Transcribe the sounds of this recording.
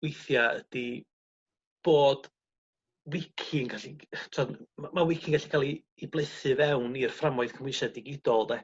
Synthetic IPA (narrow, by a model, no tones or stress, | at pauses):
wɪjθjaə̰d̥i | b̥oːd̥ | wɪkʰɪŋɡaɬitʰɔdamawɪkʰɪŋɡaɬi̥kʰalˠiː | blˠəɨθɨvɛwnirframɔɨð̥kʰəmwɪʃadɪɡɪdɔlˠdɛ